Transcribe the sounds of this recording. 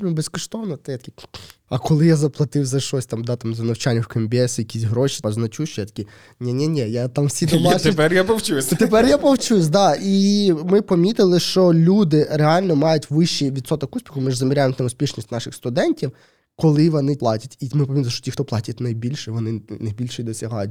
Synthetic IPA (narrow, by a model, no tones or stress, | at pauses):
t̪ɾʲibeskɔʃt̪ɔʋnɐt̪ɛjat̪ɐ̥kʲiɐkɔlˠɪjazɐplˠɐt̪ɪwzɐʃtɔsʲt̪ɑmd̪ɑt̪amzɐnɐwt͡ʃanʲːɪwkɐmʲbʲɛsjɐkʲisʲɦɾɔʃi̥pɐznɐt͡ʃuʃt͡ʃɔjat̪ɐ̥kʲi | nʲɛnʲɛnʲɛjat̪ɑmwsʲit̪ɔat͡ʃɪpɛrjapɔwt͡ʃusʲt̪ep̬ɛɾʲjapɔwt͡ʃus̬ʲd̪ɑimɪpɔmʲit̪ɪlˠɪʃt͡ʃɔlʲud̪ɪɾeɑlʲnɔmɑjʊtʲʋɪʃt͡ʃːijʋʲid̪sɔt̪ɔkusʲpʲixʊmɪʐzɐmʲiɾʲajemt̪ɐmʊsʲpʲiʃnʲisʲtʲnɑʃɪxst̪ʊd̪ɛnʲtʲiw | kɔlˠɪʋɔnɪplˠɑtʲɐtʲimɪpɔmʲit̪lˠɪʃt͡ʃɔtʲixt̪ɔplˠɑtʲɐtʲnɐjbʲilʲʃɛʋɔnɪnɐjbʲilʲʃɛjd̪ɔsʲɐɦɑjʊtʲ